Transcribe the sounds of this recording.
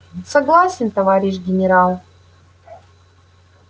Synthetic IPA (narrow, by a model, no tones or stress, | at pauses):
sɐɡlˠasʲɪnt̪ɐvaɾʲɪʃɡʲɪnʲɪɾalˠ